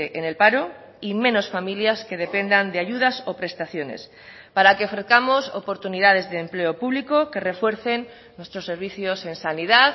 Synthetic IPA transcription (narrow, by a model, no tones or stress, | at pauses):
eʔene̞lpaɾo̞ | imẽ̞no̞sfamiljaske̞ðe̞pe̞nd̪and̪eaʝuðaso̞pɾe̞st̪aθjo̞ne̞̰s | paɾake̞ofɾe̞θkamo̞so̰po̞ɾt̪uniðað̞e̞zðeːmple̞o̞puβliko̞ke̞re̞fwe̞ɾθe̞nː | we̞st̪ɾo̞sːe̞ɾβ̞iθjo̞se̞nsaniðaθ